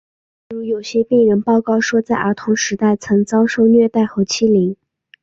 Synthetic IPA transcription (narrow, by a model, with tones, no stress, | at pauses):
ɻu˧˥jo˨˩ʊɕjɛ˥pi˥˩ɪɻə˧˥npɑ˥˧ʊkɑ˥˩ʊʂwɔ˥t͡sa˥˩ɪə˞˧˥t̪ʰʊ˧˥ŋʂɻ̩˧˥t̪a˥˩ɪt͡sʰɤ˧˥ŋt͡sɑ˥ʊʂo˥˧ʊnɥɛ˥˧t̪a˥˩ɪxɤ˧˥t͡ɕʰi˥li˧˥ŋ